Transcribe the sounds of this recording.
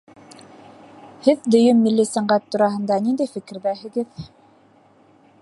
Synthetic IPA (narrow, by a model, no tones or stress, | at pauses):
hɘðd̪ɵ̆jɵmːilːisæɴɢæt̪ːuɾɑɦɤ̆nd̪ɑnind̪æjfɘ̆kɘ̆ɾðæɦɘ̆ɡɘð